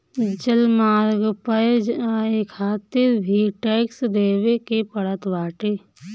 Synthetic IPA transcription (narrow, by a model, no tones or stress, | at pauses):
d͡ʒəlmaːɾɡpəd͡ʒaːekʰaːt̪ɪɾbʱiʈɛːksd̪eːwekepəɽət̪baːʈe